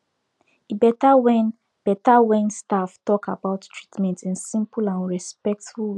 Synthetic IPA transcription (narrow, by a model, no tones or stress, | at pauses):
ibɛtawɛ̃n | b̥ɛtawɛ̃nstaftɔkabaʊttʰɹitmɛ̃ntĩnsĩmpulãnɹɛspɛk̚tfulwi